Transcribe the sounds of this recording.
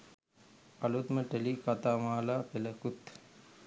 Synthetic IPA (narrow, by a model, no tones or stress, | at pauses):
alut̪məʈelikat̪aːmaːlaːpeləkut̪